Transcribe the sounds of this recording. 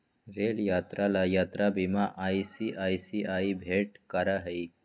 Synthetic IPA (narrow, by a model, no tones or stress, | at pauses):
ɾeːljaːt̪ɾalajaːt̪ɾabimãʔaːisiʔaːjsiʔaːibʱeːʈkɐɾaɦɐi